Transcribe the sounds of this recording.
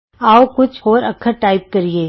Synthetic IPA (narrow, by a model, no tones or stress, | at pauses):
aːokʊt͡ʃʰhoːɾɐkʰəɾʈaːɪp̚kɐɾieː